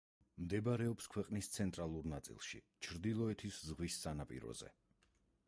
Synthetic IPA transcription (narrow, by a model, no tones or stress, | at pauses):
md̪ɛbaɾɛɔpskʰwɛqʼnist̪sʰɛnt̪ʼɾalˠuɾnat̪sʼḭlˠʃḭ | t͡ʃʰɾd̪ilˠɔɛt̪ʰiszʁwisːanapʼḭɾɔ̰zɛ̰